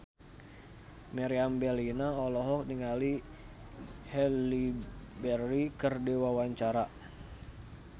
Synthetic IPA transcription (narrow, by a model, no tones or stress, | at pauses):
mɛɾiambɛlinaɔlɔɦɔk̚niŋali | hɛlibɛrikərdiwawaɲt͡ʃaɾa